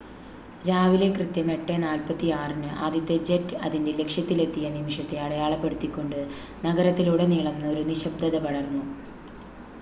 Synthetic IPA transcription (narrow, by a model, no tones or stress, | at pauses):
ɾaːʋile̞krɨt̪jɐme̞ʈːenaːlpɐt̪ːijaːrinɨʔa̰ːd̪it̪ːed͡ʑetːɨɐ̰ðindele̞kʂjɐt̪ːile̞t̪ːijɐnimiʂɐt̪ːe̞ɐɭɐjaːɭɐpːeɽut̪ːikʲːo̞ɳɖɨ | nɐɡɐɾɐt̪ːiluːɽeniːɭɐmno̞ɾuniɕɐbd̪ɐðɐʋɐɽɐrnːu